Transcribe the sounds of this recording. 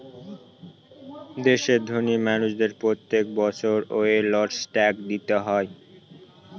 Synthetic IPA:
d̪eʃed̪ʱonimanuʃd̪eɾpɾot̪ːek̚bɔt͡ɕʰoɾoelɔʈsʈɛkd̪it̪eɦɔe

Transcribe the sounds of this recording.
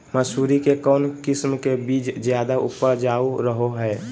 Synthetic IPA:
məsuːɾikekɔːnkɪsmkebiːt͡ʃzjaːd̪aʊ̰pəɾd͡ʒaːuɾəɦoɦɛː

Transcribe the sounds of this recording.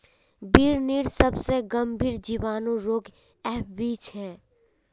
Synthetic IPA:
biːɾniːɾsəbseɡəmbʱiːɾd͡ʒiːʋaːnõɾoːk | ɛːpbiːt͡ʃɦɛː

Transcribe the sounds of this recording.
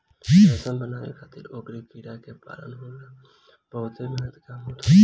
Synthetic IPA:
ɛsəmbənaːḛkʰat̪ʰɪɾoːkɾikiːɽakepa̰ːlə̰nɦoːla | bəʊt̪emeːnət̪kamɦoːt̪ʰ

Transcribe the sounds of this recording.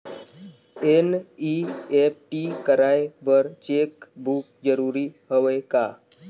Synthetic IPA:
eniep̚ʈikəɾaːebəɾt͡ʃeːkbuk̚d͡ʒəɾuːɾiɦoʋeka

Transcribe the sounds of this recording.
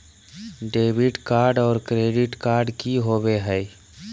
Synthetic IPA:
ɖeːbɪɖkaːɾɖɔːɾkɾeːɖɪʈkaːɾɖkiɦobeɦɛj

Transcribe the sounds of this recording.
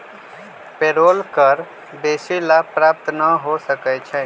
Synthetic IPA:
peɾolkəɾ | b̪esilapɾap̚t̪nəɦosəkɛt͡ʃʰɛ

